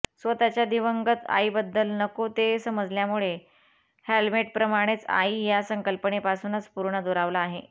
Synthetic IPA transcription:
sʋət̪at͡ɕjad̪iʋəŋɡət̪a̰ibəd̪ːəlnəkot̪esəməd͡zljamuɭe | helmeʈ̚pɾəmaɽ̃et͡sa̰ijasəŋkəlpəɳepasuːnət͡spuɾɳəd̪oɾaʋlaːɦe

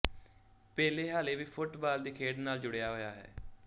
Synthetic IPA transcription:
pɛːleːɦaːleːʋiːpʰʊʈbaːld̪iːkʰeːɖnaːld͡ʒʊɽejaːɦoːjaːɦɛ̰ː

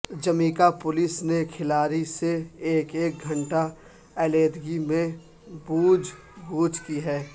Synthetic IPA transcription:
d͡ʒɐmĩːkapʊlɪsnekʰɪlaːɾiseeːkeːk̚ɡʱɐ̃ɳʈa | ɛːleːd̪ɡimẽ | buːd͡ʒ | ɡuːd͡ʒkiɦɛː

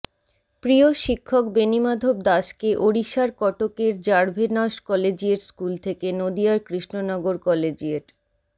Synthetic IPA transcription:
pɾioʃikʰːokbenimad̪ʱob̚d̪aʃkeʔoɽiʃaɾkɔʈokeɾd͡ʑaɾbʱenaʃkɔled͡ʑieɾskult̪ʰekenod̪iaɾkɾiʃnonɔɡoɾkɔled͡ʑieʈ

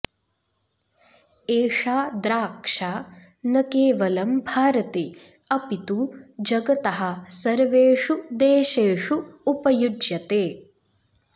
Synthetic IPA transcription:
eːʂaːd̪ɾaːkʂaː | nɐkeːʋɐlɐmbʱaːɾɐt̪eː | ɐpit̪ud͡ʒɐɡɐt̪ɐɦɐsɐɾʋeːʂud̪eːʃeːʂuːpɐjud͡ʒjɐt̪eː

